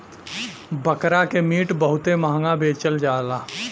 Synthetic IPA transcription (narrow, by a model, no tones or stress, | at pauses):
bəkɾakemiːʈbəɦʊt̪emaɦŋɡabeːt͡ʃəld͡ʒaːlaː